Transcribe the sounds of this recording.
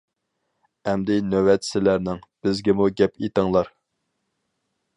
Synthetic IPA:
ɛmd̪ɪnøwɛt̪sɪlæɾnɪŋb̥ɪzɡʲɪmuɡʲɛpʰet̪əŋlˠɑɾ

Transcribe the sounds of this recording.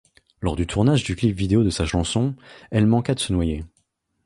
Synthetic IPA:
lɔʁd̪yt̪ʰuʁnaʒd̪yklipvid̪eod̪əsaʃɑ̃sɔ̃ɛlmɑ̃kad̪əsənwaje

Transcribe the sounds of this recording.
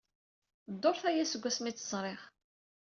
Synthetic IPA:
d̪ˤːoɾˤθæjæsəɡʷːæsmit͡sːəzˤɾˤeχ

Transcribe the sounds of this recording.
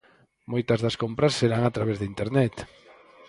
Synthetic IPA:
mojt̪ɐzðɐskompɾɐsːeɾaŋat̪ɾaβ̞ezðint̪eɾnɛt̪

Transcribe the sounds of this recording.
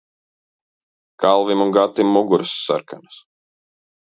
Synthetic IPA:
kalˠvimunɡat̪ːimːuɡuɾsːa̰ɾkanas

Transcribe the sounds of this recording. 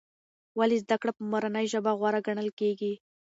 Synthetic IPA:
walizd̪akɽapəmoɾanəjʒəbaɣwɑɾaɡaɳəlkeɡi

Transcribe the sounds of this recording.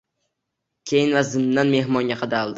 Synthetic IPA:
kʲʰejɪnvazɪnːanme̞hmɒŋɡʲaqʰɑd̪alˠd̪ɪ

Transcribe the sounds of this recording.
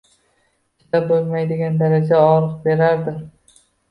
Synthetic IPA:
t͡ʃt̪abolˠmajd̪ɪɡʲand̪aɾad͡ʒaɒɾɨq̚be̞ɾaɾd̪ɪ

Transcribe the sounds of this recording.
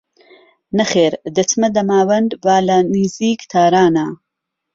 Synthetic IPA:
nɐχeːɾd̪ɐt͡smɐd̪ɐmaːwɐnd̪baːlɐniziːkt̪ʰaːɾaːna

